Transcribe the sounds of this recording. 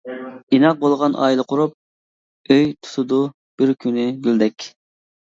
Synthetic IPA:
inɑq̚bolˠʁɑnʔɑ̰ːilˠəqʰʊɾup̚ | øjt̪ʰu̥t̪ʰud̪u | b̥ɪɾkʲʰynɪɡʲyld̪ɛkʲ

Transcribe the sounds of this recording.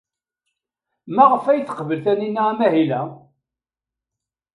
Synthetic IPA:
mæʁəfæjθə̥qvəlθæninːaæmæɦilæ

